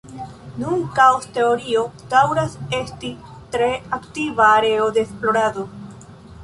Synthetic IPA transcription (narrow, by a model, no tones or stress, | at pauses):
nunkaoste̞o̞ɾio̞d̥awɾase̞stitɾe̞aktivaːɾe̞o̞deːsplo̞ɾado̞